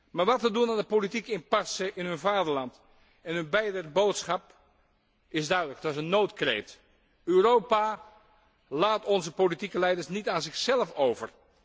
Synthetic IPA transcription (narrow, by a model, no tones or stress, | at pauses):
maːɹʋɑtədunaːndəpolitikəɪmpɑsəʔɪnɦønvaːdəɹlɑnt | ɛnɦønbɛjdərbowtsχɑp | ɪsdœɥdələk̚tasənːowtkrḛːt | øːrowpa | laːtɔnzəpolitikəlɛjdəɹsnitaːnzɪxsɛləfowvə̰r